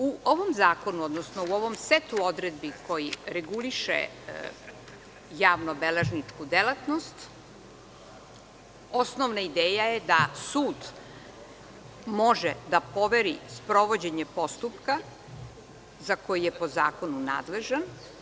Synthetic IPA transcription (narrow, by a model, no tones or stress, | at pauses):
uʔoʋomzaːko̞nuod̪nosnouo̞ʋo̞mset̪uod̪ɾed̪̚biko̞jiɾeɡuliʃḛ | jaːʋnobeleʒnit͡ʂkud̪elat̪nost̪ | osnoʋnaid̪eːjajed̪asuːd̪ | mo̞ʒed̪apo̞ʋeɾispɾo̞ʋo̞d͡ʑeɲepo̞st̪upka | zako̞jijepo̞za̰ːko̞nuna̰ːd̪le̞ʒan